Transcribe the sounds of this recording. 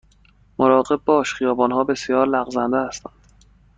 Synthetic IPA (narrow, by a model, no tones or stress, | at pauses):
moɾɒːɣe̞b̚bɒːʃχijɒːbɒːnhɒːbe̞sijɒːɾlæɣzænd̪ehæst̪ænd̪̥